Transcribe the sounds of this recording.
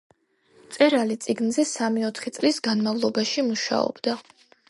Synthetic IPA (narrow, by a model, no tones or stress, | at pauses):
t̪sʼɛɾalit̪sʼiɡnzɛsamiɔt̪ʰχit̪sʼlisɡanmavlˠɔbaʃimuʃa̰ɔ̰bd̪a